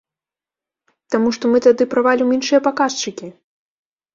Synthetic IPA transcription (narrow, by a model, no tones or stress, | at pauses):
t̪amuʂt̪ɔmɨt̪ad̪ɨpɾavalʲiminʂɨjɐpakaʂt͡ʂɨkʲi